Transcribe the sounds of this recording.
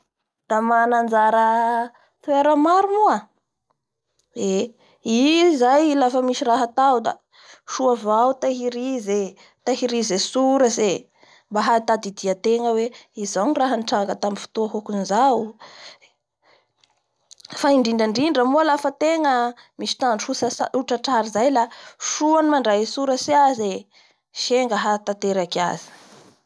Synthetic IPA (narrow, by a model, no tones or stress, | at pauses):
d̪̥amanand͡zaɾə | t̪ueɾəmaɾumua | e | izajlafəmiʃiraɦat̪awd̪a̰ | ʃuavawt̪aɦiɾize | t̪aɦiɾizesuɾəze | mbaɦat̪ad̪id̪iət̪eŋəweizanraɦəniʈ͡ʂaŋɡət̪amifu̥t̪uaɦokunizaw | faiɳɖ͡ʐiɳɖ͡ʐaɳɖ͡ʐiɳɖ͡ʐəmualafət̪eŋə | misi̥t̪aɳɖ͡ʐusauʈ͡ʂaʈ͡ʂaɾizajlaʃuanimaɳɖ͡ʐaɦisuɾəsiaze | ʃeŋɡəɦat̪at̪eɾaka̰zi̥